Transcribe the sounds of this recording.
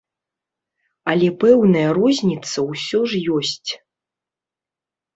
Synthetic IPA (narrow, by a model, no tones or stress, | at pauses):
ɐlʲɛpɛwnɐjɐɾɔzʲnʲit̪sɐwsʲɔʐjɔsʲt͡sʲ